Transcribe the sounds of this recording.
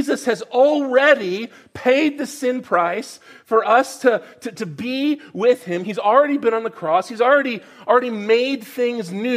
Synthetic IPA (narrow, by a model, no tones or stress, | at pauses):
izɨshɨzl̩ˠɹɛɾi | pʰeɪd̪̚ðɨsɪ̃npʰɹ̥aɪsfə˞ʔʌstʰɨtʰɨɾɨbiwɪð̥ɪ̃mizl̩ˠɹɛɾibɨ̃nə̃nðəkʰɹ̥ɔshizl̩ˠɹɛɾi | l̩ˠɹɛɾimeɪd̪̚θɪ̃ŋznʉ